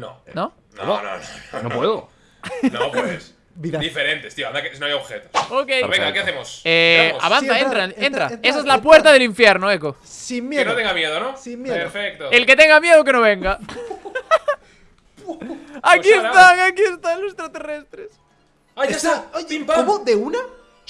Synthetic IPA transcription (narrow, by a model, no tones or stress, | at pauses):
no̰no | no̰ono̰nopweðo | nopwes | biðad̪ifeɾent̪est̪ioand̪akesnoajoβxet̪osokejβeŋɡakeaθemosea̰βãnθaent̪ɾaent̪ɾaes̬aezlapweɾt̪aðeliɱfjeɾnoeko | simmjenot̪eŋɡamjeðonosimmjeeɾfek̚t̪oelke̞t̪eŋɡamje̞ðok̬e̞noβeŋɡa | akiest̪aŋakiest̪anlosest̪ɾat̪erest̪ɾes | aʝasaoipaomoðeuna